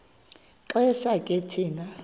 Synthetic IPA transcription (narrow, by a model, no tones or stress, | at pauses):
ǃʼɛʃakʼetʰiːna